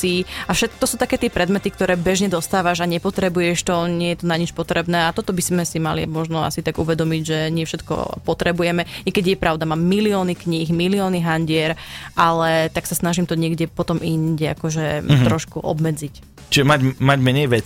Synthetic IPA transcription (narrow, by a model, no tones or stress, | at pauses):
iafʃɛt̪̚kɔt̪ɔsuːt̪akɛːt̪ɪɛpɾɛd̪mɛt̪ikt̪ɔɾɛːbɛʒɲɛd̪ɔst̪aːʋaʒaɲɛpɔt̪ɾɛbujɛʃt̪ɔɲɪɛjɛt̪ɔnaɲit͡ʃpɔt̪ɾɛbnɛːat̪ɔt̪ɔbiz̥mɛsimalḭmɔʒnɔa̰sit̪aɡṵʋɛd̪ɔmiɟʒɛɲɪɛfʃɛt̪kɔ̰pɔt̪ɾɛbujɛmɛɛkɛɟjɛpɾʔaʊd̪amaːmːiliɔːnikɲiɣmiliɔːniɦanɟɪɛɾʔalɛt̪aksasnaʒimt̪ɔɲɪɛɡɟɛpɔt̪ɔminɟɛa̰kɔʒɛt̪ɾɔʃkuʔɔ̰bmɛd͡zic | t͡ʃiʒɛmaɟmaɟmɛɲɛjʋɛt͡si